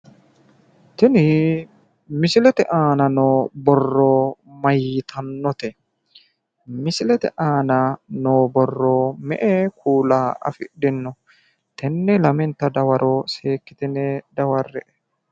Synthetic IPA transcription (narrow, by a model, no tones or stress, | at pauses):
t̪ɪnɪ | mɪsɪlɛt̪ɛ̰ʔaːnɐnoːbɔrːɔmɐjt̪ʰɐnːɔt̪ɛ | mɪsɪlɛt̪ɛ̰ʔaːnɐnoːbɔrːomɛ̰ʔekʰuːlaːɐ̰fɪɗːɪnːɔ | t̪ɛnːɛlɐmɛnt̪ːɐd̪ɐwɐɾʔoːseːkːɪt̪ɪnɛd̪ɐwɐrːɛʔɛ